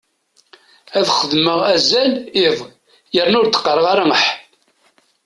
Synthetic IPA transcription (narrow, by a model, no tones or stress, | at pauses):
æðχəðməʁæzælɪðˤ | jəɾnʊɾt̪ːə̥qːɾˤəʁaɾaŋəħ